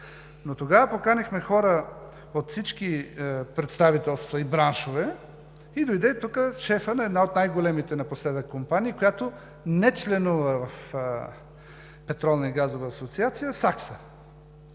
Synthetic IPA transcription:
not̪oɡavəpokanixmɛxɔɾə | ot̪fsit͡ʃkipɾɛt̪st̪avit̪ɛlˠst̪vɐibɾanʃovɛ | id̪ojd̪ɛt̪ukəʃɛfənɐɛd̪naot̪najɡolɛmit̪ɛnɐposlɛd̪əkːompaniəkojat̪o | nɛt͡ʃlɛnuvəvɐf | pɛt̪ɾɔlˠnɐiɡazovɐːsot̪siat̪sijəsaksə

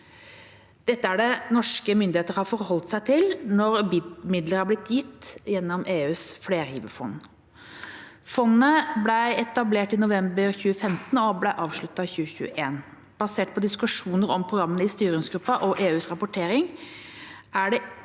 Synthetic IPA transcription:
d̪̥ɛt̪ːəæɖɛnɔʂkəmʏnd̪ɪheːt̪əɾhɑɾfɔɾhɔlt̪sæɪt̪ʰɪlnɔɾmɪd̪ləɾhɑɾblɪt̪ʰjɪt̪ːjɛnːɔmʔeːʉːsfleːɾhiːʋəfɔ̰n | fɔnːəblæɪɛt̪ɑbleːʈɪnʊʋɛmbəɾçʉːəfɛmt̪ən̩ɔblæɪʔɑːʋʂɭʉt̪ːɑçʉːəçʉ̰ːəʔeːn | b̥ɑseːʈ̚pʰɔd̪ɪskʉʂuːnəɾɔmpʰɾʊɡɾɑmːənəɪst̪yːɾɪŋsɡɾʉpːɑʔɔʔeːʉːsɾɑpʊʈʰeːɾɪŋ | ʔæɖɛ

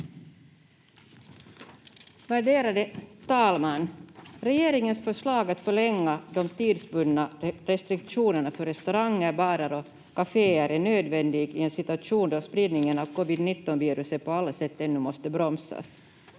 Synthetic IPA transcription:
væɖeːɾad̪ət̪ʰɑːlmanɾɛjeːɾɪŋənsfœʂɭɑːɡat̪fœɭɛŋːad̪ɔmt̪iːd̪sbɵnːaɾɛst̪ɾɪk̚tʂuːnəɳafœɾɛst̪ʉɾaŋːəɾbɑːɾaɾɔ | kafeːæɾæɳøːd̪vɛnd̪ɪɡɪɛnsɪt̪ʉaʂuːnd̪ɔspɾiːd̪nɪŋənɑʋkɔvɪd̪nɪt̪ːɔnviːɾʉsət̪pɔalːasɛt̪ːɛnːʉmɔst̪əbɾɔmsa̰s

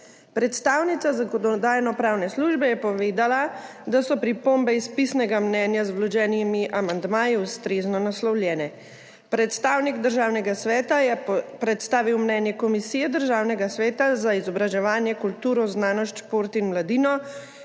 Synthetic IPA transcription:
pɾɛt̪st̪aːwnit̪sazaɡɔd̪ɔɔd̪aːjnɔpɾaːwnɛsluʒbɛjɛpɔʋeːd̪ala | d̪asɔpɾipombɛispisnɛɡamnɛːnjazblɔd͡ʒɛːnimiʔamand̪maːjiust̪ɾeːznɔnaslɔwljɛːnɛ | pɾɛt̪st̪aːwniɡd̪əɾʒaːwnɛɡasʋɛːt̪ajɛpɾɛt̪st̪aːʋiwmnɛːnjɛkɔmisijɛd̪əɾʒaːwnɛɡasʋɛːt̪azaizɔbɾaʒɛʋaːnjɛkult̪uːɾɔznaːnɔʃt͡ʃpoɾt̪inmlad̪inɔ

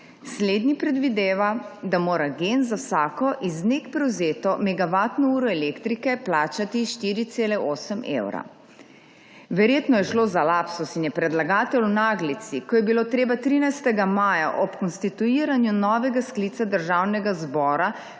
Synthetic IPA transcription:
sleːd̪nipɾɛd̪ʋid̪eːʋad̪amoːɾaɡenzawsaːkɔʔiznekpɾɛwzeːt̪ɔmɛɡaʋaːt̪nɔuːɾɔɛlekt̪ɾikɛplaːt͡ʃat̪iʃt̪iːɾit̪seːlɛoːsəmḛwɾa̰ | ʋɛɾjeːt̪nɔjɛʃlozalapsɔsinjɛpɾɛd̪laɡaːt̪ɛlwnaːɡlit̪sikɔjɛbiloːt̪ɾeːbat̪ɾiːnajst̪ɛɡamaːja̰ʔɔpkɔnst̪it̪uiːɾanjunɔːʋɛɡaskliːt̪sad̪əɾʒaːwnɛɡazbɔːɾa

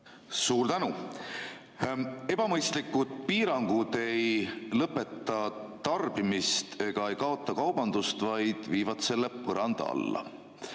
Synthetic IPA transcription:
suːrt̪ænu | e̞b̥ɑmɤjst̪likːˑud̪̥̚piːɾɑŋɡ̥ud̪e̞jlɤpːˑe̞t̪ˑːɑt̪ɑrb̥imist̪ʰe̞ɡ̥ɑe̞jkɑo̞t̪ːˑɑkɑwb̥ɑnd̪̥ust̪vɑjd̪̥viːvɑt̪se̞lːepɤɾɑnd̪̥ɑɑ̰lːɑ̰

